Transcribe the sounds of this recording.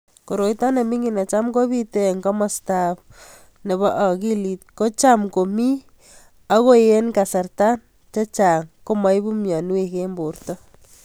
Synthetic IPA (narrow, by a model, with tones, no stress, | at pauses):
ko˨ɾo˨jta˦ne˨mi˦ŋi˨na˨t͡ʃa˦mko˦βi˦te˦˨ŋkɔ˦mɔ˨sta˨p | ne˨βɔ˦ʔa˨ki˦li˨t̚ko˦t͡ʃa˦mko˨mi˦ | a˦ko˦je˦nka˨sa˨rta˦n | t͡ʃa˦t͡ʃa˨ŋko˦mɔ˦jbu˦mjɔ˨nu˦e˦ke˦mbu˨ɾtɔ˦